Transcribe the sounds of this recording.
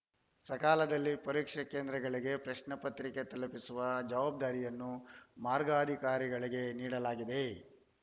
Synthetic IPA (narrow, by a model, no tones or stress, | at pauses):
sɐkaːlɐd̪ɐlːipɐɾiːkʂɐkeːnd̪ɾɐɡɐɭiɡe̞pɾɐʃnɐpɐt̪ɾiket̪ɐlɐpisuʋɐd͡ʒɐʋaːb̚d̪aːɾijɐnːumaːɾɡɐɐd̪ʱikaːɾiɡɐɭiɡe̞niːɽɐlaːɡid̪e̞